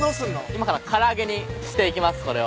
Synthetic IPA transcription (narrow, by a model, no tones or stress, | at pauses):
ɾosɯnːoimakaɾakʰaɾaːɡe̞ɲi | ɕi̥t̪e̞ik̬ʲimasɨ̥ko̞ɾe̞βa